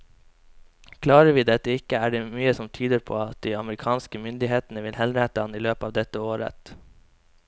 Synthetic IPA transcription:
kʰlɑːɾəʋiːd̪ɛt̪əɪkəæːɖeːmyːəsɔmt̪ʰyːd̪əɾpʰo̰ːɑt̪̚d̪iːɑməɾɪkʰɑːnskəmʏnd̪ɪɦeːt̪n̩əʋɪlhɛlɾəɛt̪əɑniːløːpɑːʋd̪ɛt̪əoːɾə̰t̪

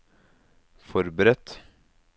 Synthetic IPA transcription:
fɔɾbəɾɛt̪

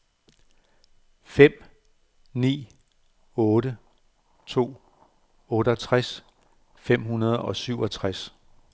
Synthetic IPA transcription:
fem̰ | nḭː | ɔ̽ːɾə | t͡sʰo̝̰ː | ɔ̽ːɾəɒt͡sʰʁas | fem̰ɦunɐð̞ˠɒ̽syʊ̰ɒ̽t͡sʰʁas

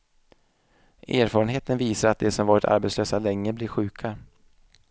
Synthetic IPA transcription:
ʔʔæːɾfɑːɾənɦeːt̪ənviːsaɾat̪̚d̪ɛsɔmvɑːɾɪt̪ʰa̰ɾbeɛt̪sløːsalɛŋːəblɪɾɧʉ̟ːkʰa

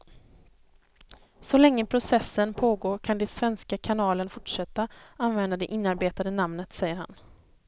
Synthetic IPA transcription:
sɔlɛŋːəpʰɾʊsɛsːənpʰoːɡoːɾkʰand̪ɛsvɛnskakʰanɑːlənfʊʈʂɛt̪ːaanvɛnd̪ad̪ɛʔɪnːaɾbeːt̪ad̪ənamnət̪sɛjːəɾha̰n

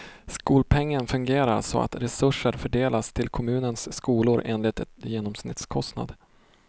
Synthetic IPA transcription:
skuːlpʰɛŋːənfɵŋɡeːɾaɾʂɔ̰a̰t̪ɾɛsɵʂːəɾfœɖeːlast̪ʰɪlkʰɔmʉ̟ːnənsːkuːlʊɾʔeːnlɪt̪ɛt̪jeːnɔmsnɪt̪skʰɔst̪na̰d̪

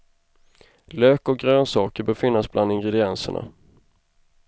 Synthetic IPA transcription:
løːkɔɡɾøːnsɑːkəɾbœːɾfɪnːasblʔand̪ɪŋɡɾɛd̪ɪɛnsə̰ɳa̰

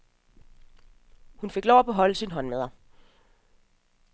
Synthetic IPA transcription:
hunfe̝ɡ̥lɒʊ̰æb̥ʰeɦɒ̽ləsinɦɒ̽nmeð̞ˠɐ

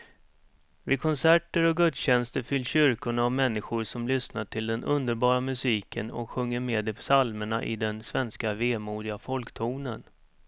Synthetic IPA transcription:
vɪkʰɔnsæʈəɾɔɡɵt̪sɕɛnst̪əɾfʏlːɕʏɾkʊɳavmɛnːɪɧʊɾʂɔmlʏsnaʈʰɪld̪ɛnʔɵnd̪əɾbɑːɾamɵsiːkʰə̰nɔ̰kɧɵŋːəɾmeːd̪ɛpsalməɳa̰ʔɪ̰d̪ɛnsvɛnskaveːmuːɖ̪ɪafɔlkt̪ʰuːnə̰n

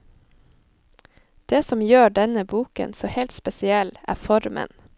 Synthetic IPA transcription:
d̪̥eːsɔmjøːɖɛnəbuːkə̰nsoːhɛlt̪spɛsɪɛlʔæ̰ːfɔɾmə̰n

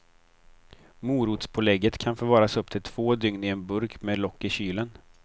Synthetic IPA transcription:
muːɾut̪spʰʊlɛɡːət̪kʰanfoːɾvɑːɾasɵp̚ːt̪ʰɪlt̪ʰv̥oːd̪ʏŋnɪɛnbɵɾkmeːd̪lɔkːɪɕyːlən

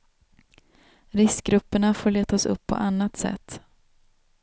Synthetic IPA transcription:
ɾɪskɡɾɵpːəɳafoːɭeːt̪asɵ̰pʰːɔ̰ʔanːat̪sɛ̰t̪ː

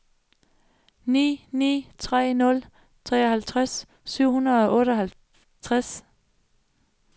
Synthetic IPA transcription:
nḭːnḭːt͡sʰʁɛ̰ːnɔ̽l | t͡sʰʁɛ̰ːɒhælt͡sʰʁas | syʊ̰hunɐðˠɒ̽ʔɔ̽ːɾ̥əɒ̽hæl | t͡sʰʁas

